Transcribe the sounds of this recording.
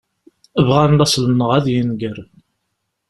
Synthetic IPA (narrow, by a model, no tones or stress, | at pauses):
əvʁanlæsˤlənəʁæðjənɡəɾ